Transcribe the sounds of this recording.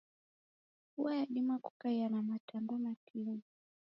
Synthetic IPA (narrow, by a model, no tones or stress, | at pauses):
uwajaɗimaku̥kaianamatambɔmakʰini